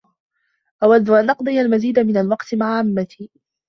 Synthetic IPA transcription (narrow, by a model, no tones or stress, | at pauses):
ʔawad̪ːʊʔanʔɑqd̪ˤɨjalmaziːd̪amɪnalwɑqt̪ɪmaʕaʕamːat̪iː